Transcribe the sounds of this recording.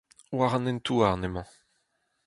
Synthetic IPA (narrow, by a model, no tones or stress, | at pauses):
waʁãnɛnt̪uaʁnemɑ̃